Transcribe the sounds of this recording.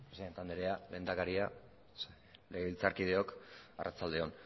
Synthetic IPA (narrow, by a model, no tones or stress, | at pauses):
pɾesiðet̪and̪eɾe̞ale̞ːnd̪akaɾia | le̞ɣeβilt͡saɾkið̞e̞o̞karʔat͡sald̪e̞o̞n